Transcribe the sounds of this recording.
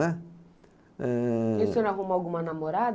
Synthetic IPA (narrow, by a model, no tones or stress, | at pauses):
ɛ | isonaɦumaɡumanamɔɾa